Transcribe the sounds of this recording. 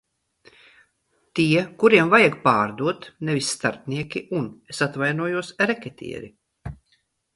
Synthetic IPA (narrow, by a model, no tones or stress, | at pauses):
t̪iɛkuɾiɛmvajaɡpaːɾd̪uɔt̪nevisʲːt̪aɾp̪̚nʲiɛkʲiʔunesat̪vajnuɔjuɔsɾɛkʲɛt̪ʰʲḭɛ̰ɾi